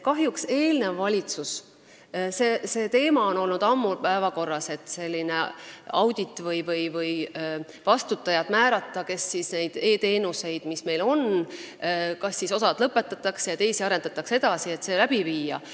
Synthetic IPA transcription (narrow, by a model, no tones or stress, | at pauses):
kɑɦjukse̞ːlne̞vːɑlʲit̪sus | sese̞ːt̪e̞ːmɑo̞no̞lnud̪̥ɑmːupæevɑko̞rːɑse̞t̪ːˑse̞lʲːine̞ɑwd̪̥ʲit̪ːˑvɤjvɤjvɤj | vɑst̪ut̪ːˑɑjɑd̪̥mæːɾɑt̪ˑːɑke̞sːisne̞jd̪̥e̞ːt̪e̞ːnuse̞jd̪̥misme̞jlo̞n | kɑsːiso̞sɑd̪̥lɤpːe̞t̪ːˑɑt̪ːˑɑksjɑt̪e̞jsiɑɾe̞nd̪̥ɑt̪ːˑɑkse̞d̪̥ɑsie̞t̪se̞læb̥iviːjɑ̰